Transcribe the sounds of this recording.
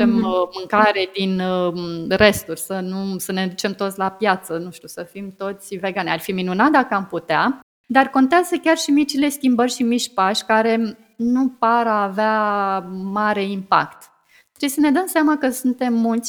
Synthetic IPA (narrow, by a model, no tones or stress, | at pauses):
emmɨŋkaɾe̞d̪in | re̞st̪urʲsənusəne̞d̪ut͡ʃe̞mt̪ot̪sʲlapjat̪sənuʃt̪ʲusəfimt̪o̞t̪sʲve̞ɡanarfiminunat̪̚d̪akəamput̪ea | d̪arko̞nt̪eazəkʲarʃimit͡ʃile̞skʲimbərʲʃimit͡ʃʲpaʃʲkaɾe̞ | nupaɾaːvea | maɾe̞impa̰kt̪ | t̪ːɾebjesəne̞d̪əmseamakəsunt̪e̞mːult̪sʲ